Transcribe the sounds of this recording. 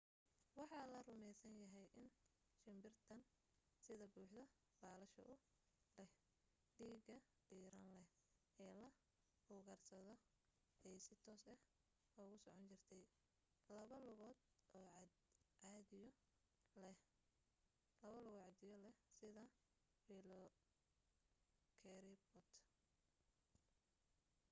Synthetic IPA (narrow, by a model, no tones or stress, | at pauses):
wɑħɑːlɐrʊmɛjsɐnjɐɦɛjʔɪn | ʃɪmbɪrt̪ʰɐn | sɪðɐbuːħd̪ɐ | baːlɐʃɐ̰ʔʊ | lɛh | ɖiːɡɐ | ɖ̥iːɾɐnlɛh | ɛːlɐ | huːɣɐrsɐðɔ | ɛjsɪt̪ʰɔːsɐh | ɔːɣʊsɔʕɔnt͡ʃɪrt̪ʰɛj | lɐβɐlʊɣɔːd̪ɔːʕʕɑðɪ | ɛ | lɐβɐlʊɣɔʕɑd̪ɪjɔlɛsɪðɐ | wilɔ | kʰɛɾɪbɔt̪